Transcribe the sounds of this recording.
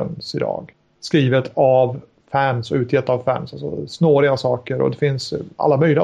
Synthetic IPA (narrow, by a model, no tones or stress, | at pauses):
nsɪd̪ɑ̰ːɡ | skɾiːvət̪ʰav | fænsɔʉ̟ːt̪ʰjɛt̪ːavfæ̰nsalsɔ̰snoːɾɪɡasɑːkəɾɔ̰d̪ɛfɪnsʔa̰lːamœjlɪɡ